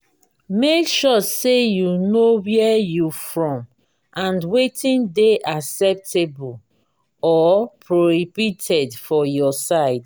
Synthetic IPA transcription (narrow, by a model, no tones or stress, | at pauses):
mekʃɔsejunowɛjufɹɔ̃m | ʔãnwetʰĩndeʔaksɛp̚tʰebɔl | ɔpʰɹohibitʰɛdfɔjɔsaɪd